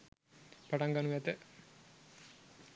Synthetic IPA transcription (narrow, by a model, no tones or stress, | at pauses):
paʈaŋɡanuʋɛt̪ə